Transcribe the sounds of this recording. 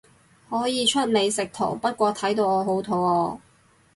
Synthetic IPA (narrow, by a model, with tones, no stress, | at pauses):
hɔː˨˥jiː˨˧t͡ʃʰɵ˥t̚ne˨˧jsɪ˨k̚t̪ʰo̰˨˩wpɐ˥t̚kʷɔː˧t̪ʰɐ˨˥jt̪o˧wɔː˨˧ɦo˨˥wt̪ʰo˨˥wɔː˧